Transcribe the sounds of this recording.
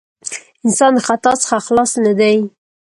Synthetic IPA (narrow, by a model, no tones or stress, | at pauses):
ɪnsɑnχat̪ɑt͡sχaxlɑsnəd̪aj